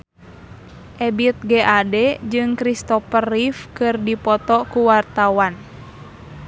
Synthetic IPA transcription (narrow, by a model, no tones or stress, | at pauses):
ʔɛbit̪̚ɡɛʔadɛd͡ʒɨŋkɾist̪ɔpərifkɨrdipɔt̪ɔkuwart̪awan